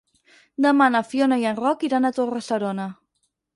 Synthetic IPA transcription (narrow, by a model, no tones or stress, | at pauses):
d̪əmanafjonajanrɔkiɾanat̪oresaɾona